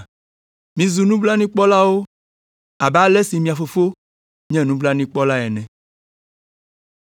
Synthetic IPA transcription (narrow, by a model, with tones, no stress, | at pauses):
mĩ˨zu˨nũ˦bla˦nĩ˦k͡pɔ˦la˦wo˦ | a˨ba˦lɛ˦si˨mĩ˨a˨fo˨fo˦ | ɲɛ̃˦nũ˦bla˦nĩ˦k͡pɔ˦la˦ɛ˨nɛ̃˨